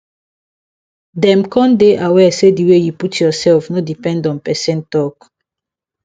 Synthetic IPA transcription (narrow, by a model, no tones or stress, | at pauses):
dɛ̃mkʰɔ̃ndeʔawɛsediwejuputʰjɔsɛlfnodipɛ̃ndɔ̃npɛsɛ̃ntɔk